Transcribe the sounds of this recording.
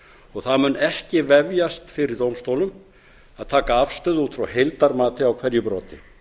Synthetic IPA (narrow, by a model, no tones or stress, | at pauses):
ɔɣθaðmʏnːɛhcɪvɛvjast̪fɪɾɪɾt̪owmst̪owlʏm | aðt̪ʰaːkaafst̪œːðuːt̪fɾa̰whejlt̪aɾmaːt̪ɪawkʰvɛɾjʏpɾɔːt̪ɪ